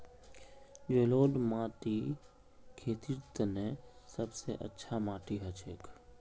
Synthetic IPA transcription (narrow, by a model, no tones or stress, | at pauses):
d͡ʒeːloːɗmaːʈi | kʰeːt̪ʰiɾt̪nɛ̃sɐbseʔə̰tːʃʰamaːʈiɦɐt͡ʃʰeːkʰ